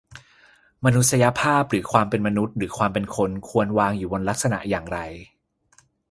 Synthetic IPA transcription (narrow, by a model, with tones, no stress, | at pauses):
ma˧nu˦˥t̪̚sa˧ja˧pʰaː˥˩p̚ɾɯː˩˦kʰwaː˧mpe˧nma˧nu˦˥t̪̚ɾɯː˩˦kʰwaː˧mpe˧nkʰo˧nkʰu˧ənwaː˧ŋjuː˨˩bo˧nla˦˥k̚sa˧na̰˨˩ʔjaː˨˩ŋɾa˧j